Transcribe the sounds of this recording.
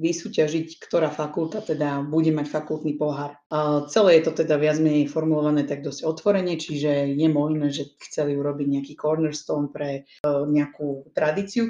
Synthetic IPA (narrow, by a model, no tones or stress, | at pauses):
ʋisuːcaʒickt̪ɔɾaːfakulˠt̪at̪ɛd̪abuɟɛmacfakulˠt̪nipɔɦaːɾ | t͡sɛlɛːjɛt̪ɔt̪ɛd̪aʋɪad͡zmɛɲɛjfɔɾmulɔʋanɛːt̪aɡ̚d̪ɔz̥ɟɔt̪ʋɔɾɛɲɛt͡ʃiʒɛjɛmɔʒnɛːʒɛxt͡sɛliuɾɔbiɟɲɛakiːkɔɾnɛɾst̪ɔːnpɾɛ | ɲɛakut̪ɾad̪iːt͡siu